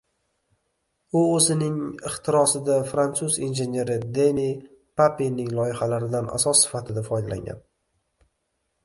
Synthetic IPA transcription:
ʊɵzɪnɪŋɪχt̪ʰɪɾɒsɪd̪afɾant̪suzinʒe̞ne̞ɾɪd̪eni | pʰapinɪŋlˠɒjɪhalaɾɪd̪anʔa̰sɒsːɪ̥fat̪ʰɪd̪afɒjd̪ala̰ŋɡʲa̰n

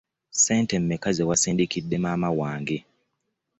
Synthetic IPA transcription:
seːntem̩mekazewasiːndikidːe̞maːmawaːŋɡe

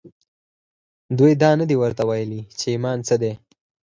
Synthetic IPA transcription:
d̪ujd̪ɑnəd̪iwəɾt̪awajəlit͡ʃeimɑnt͡səd̪e

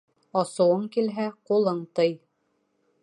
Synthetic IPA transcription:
ɑsɤ̆wɤɴkilɦæqulˠɤɴt̪ɤj

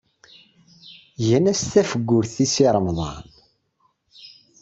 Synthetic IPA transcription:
jænæst̪æfəɡʷːʊɾθisiɾˤəmðˤɑ̰n

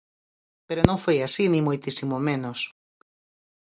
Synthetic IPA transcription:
peɾonõŋfojasinĩmojt̪isimomenos

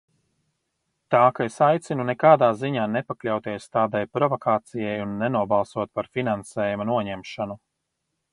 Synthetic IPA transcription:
t̪aːkaesajt̪sinunɛkaːd̪aːziɲaːnepaklʲawt̪iɛst̪aːd̪ajpɾɔvɔkaːt̪sijɛjunːenuɔbalˠsuɔt̪̚paɾfinansɛːjumanuɔɲɛmʃanu

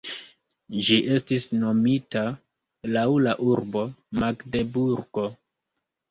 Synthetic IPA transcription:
d͡ʒiʔe̞stisno̞mita | lawlaʔuɾbo̞maɡde̞buɾɡ̥o̞

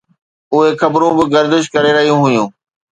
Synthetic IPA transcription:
ʊɦexɐbɾũbɪɡɐɾd̪ɪʃ̬kɐɾeɾɐɦijũɦʊjũː

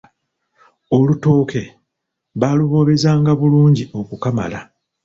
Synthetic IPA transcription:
o̞luto̞ːke̞ | βaːluβo̞βe̞zaːŋɡaβuluːɲɟio̞kukama̰la

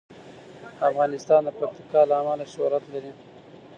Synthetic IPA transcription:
afɣɑnɪst̪ɑnd̪əpak̚t̪i̥kɑlaːmalaʃʊhɾat̪laɾi

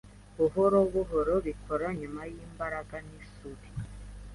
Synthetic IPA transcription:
βuɦoɾoβuɦɔɾɔβikʰɔɾaɲumajimbaɾaɡanisuti̥

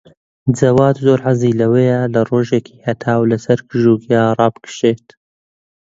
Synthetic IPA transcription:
d͡zɐwɑːd̪zoːɾʕaziːlɐwejalɐroːʒeːkʰi̥ːhɐt̪ʰaːwlɐsɐɾkɨʒuːɡɑːrˤɑːbɨkɨ̥ʃeːt̪

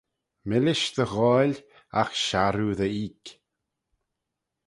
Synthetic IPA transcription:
mɪlɪʃd̪əɣɔːlʲ | axʃaɾuðəiːk

